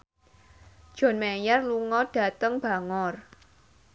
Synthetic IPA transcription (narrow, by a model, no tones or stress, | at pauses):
d̥ʒ̥ɔ̤nmejarluŋɔɖ̥ä̤t̪əŋb̥a̤ŋɔr